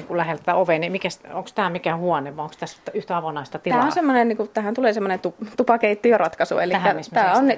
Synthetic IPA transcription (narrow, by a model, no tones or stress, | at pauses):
iŋkulæhelt̪æt̪æoʋeːˑnimikæsoŋkst̪æːmikæhuɑneʋˑɑoŋkst̪æst̪ːyht̪æɑʋonɑˑist̪ɑt̪iæːonsemːonenniːkut̪æhænt̪uleːsemːonent̪upt̪upɑkeit̪ːiørɑt̪kɑsṵḛlikhːæit̪æːonn